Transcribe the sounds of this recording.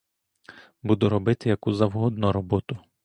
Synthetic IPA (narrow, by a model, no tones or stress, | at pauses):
bud̪ʊɾɔbɪt̪ɪjɐkuzɐwɦɔd̪nɔɾɔbɔt̪ʊ